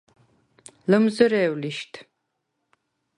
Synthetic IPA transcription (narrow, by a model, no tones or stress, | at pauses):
lɨmzɨɾɛːwliʃtʰ